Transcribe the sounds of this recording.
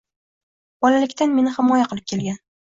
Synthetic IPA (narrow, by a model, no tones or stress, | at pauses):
b̥ɒlalɪkʲt̪ʰanme̞nɪhɪmɒjaqʰɨlˠɪp̚kʲʰe̞lɡʲan